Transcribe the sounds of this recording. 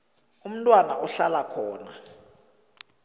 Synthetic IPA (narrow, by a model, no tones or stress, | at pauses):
um̩tʼwanaʔɔɬalakʰɔːna